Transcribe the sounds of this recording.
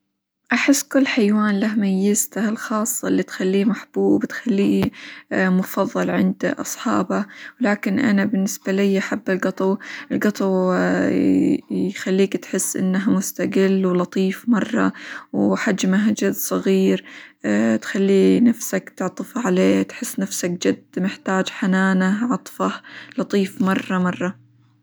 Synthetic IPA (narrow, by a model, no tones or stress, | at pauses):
ʔaħɪsːkʊlːħajwaːnlahmajːɪzt̪ahlxɑːsˤːɑʔɪlːit̪xalːiːmaħb̥uːbbɪt̪xalːiː | mʊfɑðˤːɑlʕɪ̰nd̪ʔɑsˤħɑːbawlaːkɪnʔa̰nabɪnːɪsbalɪjːʔaħabːɪlɡɑt̪ˤɑwɪlɡɑt̪ˤɑw | jxalːiːkt̪ħɪsːʔɪ̰nːaɦamʊst̪aɡɪlːwlɑt̪ˤiːfmɑrˤːɑ̰wħad͡ʒmaɦd͡ʒad̪ːsˤɑɣiːɾ | t̪xalːiːnafsakt̪ɪʕt̪ˤɨfʕaleːt̪ħɪsːnafsak̚d͡ʒad̪mɪħt̪aːd͡ʒħanaːnaʕɑt̪ˤfɑhlɑt̪ˤiːfmɑrˤːɑmɑrˤːɑ